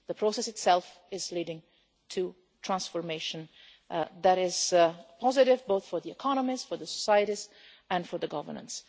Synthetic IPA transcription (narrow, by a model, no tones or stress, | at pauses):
ðəpʰɹosɛsɨtsɛlˠf | ɪzliːɾɪ̃ŋ | tʰu | tʰɹ̥ãnsfɔɹmeɪʃə̃n | ðæɾɪzpʰɔzɪɾɪvboʊθfɔɾðiɛkʰɑnəmisfɔɹðəsɔ̥sajəɾiz | æ̃nfɔ˞ðəɡʌvə̰˞nə̰̃ns